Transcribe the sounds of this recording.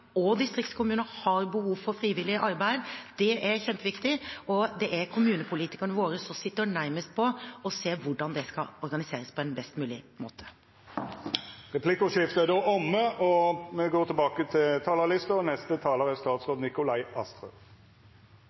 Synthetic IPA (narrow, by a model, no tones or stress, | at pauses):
ɔd̪ɪst̪ɾɪkt̪skʰʊmʉːnəhɑɾbəhuːʋfɔɾfɾiːʋɪlɪəʔɑɾbæɪd̪d̪̥ɛʔɛɾçɛnt̪ʋɪkt̪ɪɔd̪ɛʔɛɾkʰʊmʉːnəpʰʊliːt̪ɪ̥kɑɳəʋoːɾəsɔsɪt̪ːəɳæɾməst̪pʰɔɔseːɾʋʊɖɑnd̪ɛskɑɔɾɡɑnɪseːɾəspʰɔɛnbɛst̪mʉːlɪmo̰ːt̪ʰə̥ | ʁɛpʰlɪkʊʂɪft̪əəd̪oːʔɔmːəɔmɛɡoːt̪ʰɪlbɑːkət̪ʰɪlt̪ʰɑːləʁlɪst̪ənɛst̪ət̪ʰɑːləʁɛst̪ɑːt̪sʁoːd̪nɪkʊlɑɪʔɑst̪ɾœ̰